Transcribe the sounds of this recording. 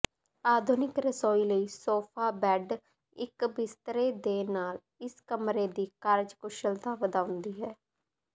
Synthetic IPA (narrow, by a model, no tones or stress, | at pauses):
aːd̪ʱʊnɪkɾəsɔːiːləiːsoːpʰaːbɛːɖ | ɪkbɪst̪ɾeːd̪eːnaːl | ɪskəmɾeːd̪iːkəɾd͡ʒkʊʃəlt̪ãːʋəd̪aːʊnd̪iːɦɛː